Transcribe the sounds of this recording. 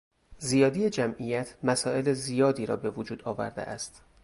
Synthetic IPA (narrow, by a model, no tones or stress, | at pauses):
zijɒːd̪ijed͡ʒæmʔijæt̪ʰmæsɒːe̞lezijɒːd̪iːɾɒ̰ːbe̞vod͡ʒuːd̪ɒːvæ̰ɾd̪ḛʔæ̰st̪